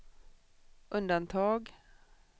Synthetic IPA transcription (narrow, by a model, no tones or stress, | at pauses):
ʔʉnd̪ɑnt̪ʰɑːɡ